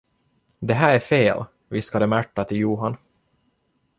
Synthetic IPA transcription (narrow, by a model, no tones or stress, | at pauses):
d̪ɛɦæːɾæfeːl | vɪskad̪əmæʈːat̪ʰɪljuːɦan